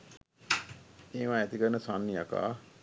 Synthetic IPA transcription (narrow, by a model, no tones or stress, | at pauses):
eːʋaːæt̪ikəɾnəsanːijaka̰ː